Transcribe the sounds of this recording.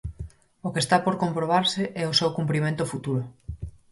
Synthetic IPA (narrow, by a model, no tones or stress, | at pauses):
okest̪apoɾkompɾoβ̞aɾsɪʔɛosewkumpɾimẽnt̪ʊfut̪uɾʊ